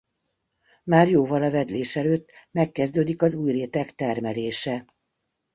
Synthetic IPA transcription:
maːrjoːvɒlɒvɛd̪leːʃɛløːt̪ːmɛkːɛzd̪øːd̪ikɒzuːjreːt̪ɛkt̪ɛrmɛleːʃɛ

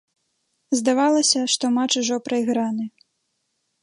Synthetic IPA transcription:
zd̪avalˠɐsʲɐʂt̪ɔmat͡ʂuʐɔpɾɐjɣɾanɨ

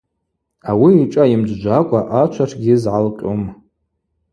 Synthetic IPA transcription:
awiːʈ͡ʂʼaimd͡ʒʷd͡ʒʷakʷʼaʔat͡ʃʷʰaʈ͡ʂʰɡʲizʕalqʲʼom

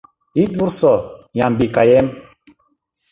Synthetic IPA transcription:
iduɾsɔjãmbikajɛm

